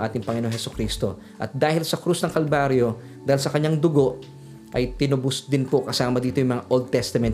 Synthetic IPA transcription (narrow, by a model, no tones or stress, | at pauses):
ʔaːt̪ɪŋpɐŋɪnoŋhɛsʊ̥kɾiːst̪o̞̰ | ʔɐ̰t̪̚d̪aːhɪlsɐkɾusnɐŋkɐlbaːɾjo̞ | d̪aːɪlsɐkɐɲːaŋd̪ʊɡo̞ʔ | ʔɐjt̪ɪnʊbʊsd̪ɪnpokɐsaːmɐd̪iːt̪ojʊŋmɐŋaʔold̪̚t̪ɛst̪ɐmɛnt̪